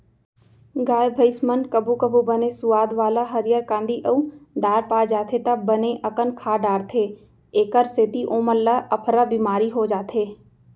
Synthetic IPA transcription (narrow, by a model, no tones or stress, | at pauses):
ɡaːjbʱəɪsmənkɐbukəbubənesʊʋaːd̪ʋaːlaɦɐɾɪjəɾkãːnd̪iʔɐud̪aːɾpaːd͡ʒaːt̪ʰet̪ɐbɐneʔɐkənkʰaːɖaːɾt̪ʰeː | eːkəɾseːt̪iʔõːməlːaʔɐpʰɾabiːmaːɾiɦod͡ʒaːt̪ʰeː